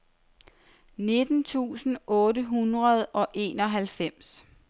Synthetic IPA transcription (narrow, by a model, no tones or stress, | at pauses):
ne̝d̥n̩t͡sʰṵːsn̩ɔ̽ːɾəɦunʁɐð̞ˠɒ̽ʔe̝̰ːnɒ̽ɦælfem̰s